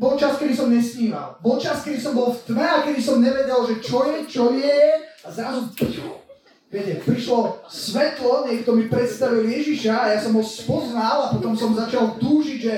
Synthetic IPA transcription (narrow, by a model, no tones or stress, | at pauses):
bɔlt͡ʃaskɛd̪isɔmɲɛsɲiːma̰lbɔlt͡ʃaskɛd̪isɔmbɔlft̪mɛakɛd̪isɔmɲɛʋɛɟɛlʒɛt͡ʃɔjɛt͡ʃɔjɛazɾazu | ʋɪɛcɛpɾiʃlɔsʋɛt̪lɔɲɪɛkt̪ɔmipɾɛt̪st̪aʋiljɛʒiʃaːjasɔmɔsspɔznalapɔt̪ɔmsɔmzat͡ʃalt̪uːʒiɟʒɛ